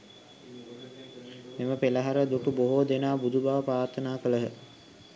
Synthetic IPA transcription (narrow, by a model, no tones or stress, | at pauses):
meməpeləɦaɾəd̪uʈuboɦoːd̪enaːbud̪ubaʋəpɾaːɾt̪ʰənaːkələɦə